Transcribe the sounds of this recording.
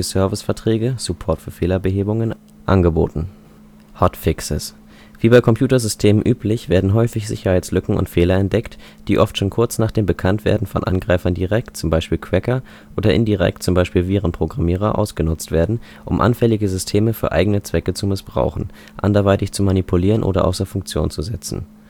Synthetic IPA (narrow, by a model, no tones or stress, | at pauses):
əsœɐvɪsfɛɐtʁ̥ɛːɡəz̥ʊpʰɔɐtfyːɐfeːlɐbəɦeːbʊŋən | ʔa̰nɡəbo̰ːtn̩ | hɔtfɪksɪs | v̥iːbaɪkʰɔmpʰj̥uːtɐzʏstʰeːmənʔyːplɪçv̥eːɐdn̩ɦɔʏfɪçz̥ɪ̰çɐhaɪt͡slʏkŋ̩ʊ̰ntfeːlɐɛnt̚d̥ɛkt | d̥iːʔɔftʃoːnkʰʊɐt͡snaːχd̥eːmbəkʰantv̥ḛːɐdn̩fɔ̰nʔanɡʁaɪfɐndiʁɛk̚t̚t͡sʊmbaɪʃpiːlkʰv̥ɛkɐ | ʔoːdɐʔɪndiʁɛ̰k̚tt͡sʊmbaɪʃpiːlviːʁənpʁ̥oɡʁamiːʁ̞ɐʔa̰ʊsɡ̥ənʊt͡stv̥eːɐdn̩ | ʔʊmʔa̰nfɛlɪɡəzʏstʰeːməfyːɐʔa̰ɪɡənət͡sv̥ɛkət͡sumɪsb̥ʁa̰ʊxn̩ | ʔa̰ndɐvaɪtɪçt͡sumanipʰuliːʁənʔo̰ːɾɐ̰ʔa̰ʊsɐfʊŋk̚t͡sjo̰ːnt͡suzɛt͡sn̩